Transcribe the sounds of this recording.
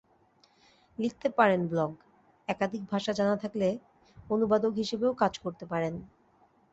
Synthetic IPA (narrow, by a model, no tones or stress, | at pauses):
lik̚t̪epaɾenblɔɡ | ɛkad̪ʱik̚bʱaʃad͡ʑanat̪ʰakle | onubad̪okɦiʃebeokad͡ʑkoɾt̪epaɾen